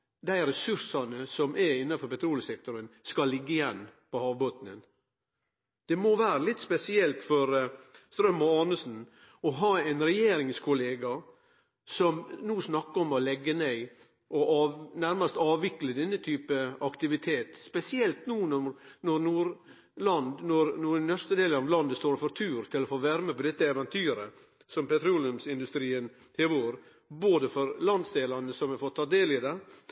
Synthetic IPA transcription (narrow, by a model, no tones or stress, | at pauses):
d̪æɪɾɛsʉɾsɑnəsɔmʔæɪnːɑfɔɾpɛt̪ʰɾuːləsɛk̚t̪ʊɾənskɑlːɪɡːəɪjɛnːpɔhɑːʋboːt̪nə̰n | d̪̥ɛmoʋæːɾəlɪt̪ːspɛsɪɛlt̪fɔɾst̪ɾœmːɔɑːnəsn̩ | ɔɦɑːɛɪnɾɛjeːɾɪŋskʰʊleːɡɑ | sɔmnuːsnɑkːəɔmɔlɛɡːəneɪ | ʔɔʔɑnæɾmɑst̪ɑːʋɪkləd̪ɛnːət̪ʰyːpəɑkt̪ɪʋɪt̪ʰeːt̪spɛsɪɛlt̪nuːnɔnɔɾnuːɾ | lɑnd̪nɔɾnuːnnːœɾst̪əd̪eːlənɑʋlɑnd̪əst̪oːɾfɔɾt̪ʰʉːɾt̪ʰɪlɔfoːʋæɾməpɔd̪ɛt̪ːəɛʋɛnt̪ʰyːɾə | sɔmpɛt̪ɾuːlɪʉmsɪnd̪ʉst̪ɾiːən | heːʋoːʋəɾ | boːd̪əfɔɾlɑnd̪sd̪eːlɑnəsɔmɛfɔt̪ʰːɑːd̪eːlɪd̪ɛ